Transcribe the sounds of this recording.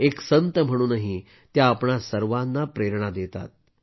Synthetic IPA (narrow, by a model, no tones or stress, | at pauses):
eksənt̪əm̤əɽ̃uːnaɦi | t̪jaːpɳasəɾʋanːapɾeɾɳ̃ad̪et̪a̰t̪̚